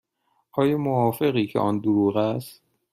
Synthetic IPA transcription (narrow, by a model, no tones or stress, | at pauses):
ʔɒːjɒːmoɒːfe̞ɣiːcʰeʔɒːnd̪oɾuːɣæst̪̚